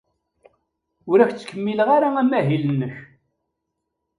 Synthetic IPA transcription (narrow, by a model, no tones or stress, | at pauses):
ʊɾæçt͡sːkːəmːiləʁaɾaæmæɦilənːəç